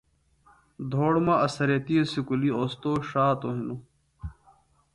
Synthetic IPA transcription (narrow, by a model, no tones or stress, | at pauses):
d̪ʱoːɽmaɐsɐɾet̪isikulioːst̪oːɕaːt̪oɦino